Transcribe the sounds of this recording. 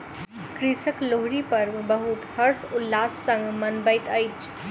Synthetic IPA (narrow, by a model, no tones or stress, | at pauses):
kɾisəkloɦɾipəɾbəɦut̪həɾsʊlːasːə̃ŋɡmənbəɪt̪əjt͡ʃʰ